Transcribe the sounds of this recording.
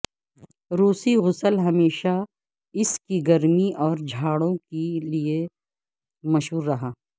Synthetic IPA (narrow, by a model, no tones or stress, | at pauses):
ɾuːsiɣʊsəlɦɐmeːʃa | ɪskiɡɐɾmiʔɔːɾd͡ʒʱaːɽõkelie | mɐʃɦuːɾːɐɦaː